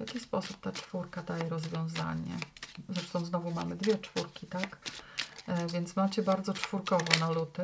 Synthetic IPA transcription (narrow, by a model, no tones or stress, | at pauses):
vʲjakʲispɔsup̚t̪at͡ʂfuɾkad̪ajɛɾɔzvʲjɔ̃w̃za̰ɲɛ̰zɾɛʂt̪ɔ̃w̃znɔvumamɘd̪vʲjɛt͡ʂfuɾkʲit̪ak | vʲjɛnt̪smat͡ɕɛbaɾd̪zɔt͡ʂfuɾkɔvɔnalut̪ɘ